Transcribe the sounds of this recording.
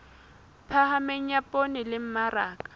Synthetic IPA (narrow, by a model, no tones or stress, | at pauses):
pʰahameɲ̩apʼonɪlɪm̩maraːkʼḁ